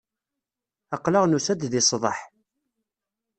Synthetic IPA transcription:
ɑqləʁnusæd̪ðɪsˤðˤə̰ħ

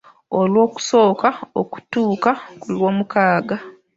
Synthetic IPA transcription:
olwo̞ːku̥so̞ːkaoku̥tuːkakulwo̞ːmukaːɡa

